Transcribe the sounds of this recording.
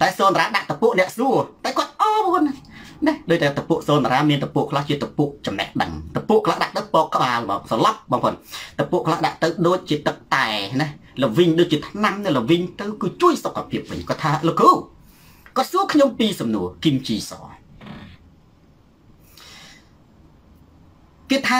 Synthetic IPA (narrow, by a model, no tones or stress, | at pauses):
t̪aɛsoːnaɾaːɗaʔt̪ɨpuəʔnɛ̆əʔsuət̪aɛkŏət̪̚ʔɑːpɔən | nɛhɗoːc̚t̪aːɛt̪əpuəʔsoːnaɾaːmiənt̪əpuəʔkʰlaht͡ɕiət̪əpuəʔt͡ɕɑmnɛ̰hɗə̰ŋt̪əpuəʔkʰlaːhɗaʔt̪ɨwpɔːkkːə̆ɓaːlma̰ːsɑlɑp̚ɓɑːŋpʰo̰ːnt̪əpŭəʔkʰlahɗaʔt̪ɨwɗoːc̚t͡ɕiət̪ɨk̚t̪aɛnɛhləʋiɲɗoːc̚t͡ɕiət̪ʰnamnɨwləʋiɲt̪ɨwkɨːt͡ɕuəjsokʰːapʰiəp̚ʋɨ̰ɲkɔt̪ʰaːlokuː | kɔ̆ət̪̚suəkʰɲompiːsɑmnuəkimt͡ɕiːsɑ̰ː | keːt̪ʰaː